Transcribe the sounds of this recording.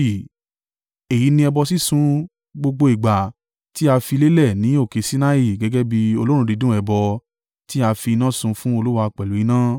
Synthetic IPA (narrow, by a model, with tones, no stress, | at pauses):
e˨ji˨˦nĩ˧ɛ˧bɔ˧si˦sũ˦ | ɡ͡bo˧ɡ͡bo˧i˨ɡ͡ba˨ | ti˦a˧fi˧le˦lɛ˦˨nĩ˨˦o˦˨ke˨˧˦si˦na˦i˦˨ɡɛ˨˦ɡɛ˦bi˧o˧lo˦ɾũ˧˦di˨˧˦dũ˦ɛ˧bɔ˧ | ti˦a˧fi˧nã˦sũ˧fũ˦o˧lu˦wa˧k͡pɛ˨lu˨˦i˧˦nãː˦